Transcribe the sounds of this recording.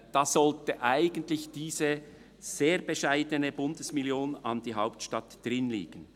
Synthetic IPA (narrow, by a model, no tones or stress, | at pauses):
d̥ɑːz̥ɔltəʔaɪɡəntlɪçd̥iːzə | z̥eːɾbəʃaɪdənəbʊndəsmɪljoːnɑnd̥iːɦaʊptʃtɑtd̥ʁɪnlḭːɡ̥ən̩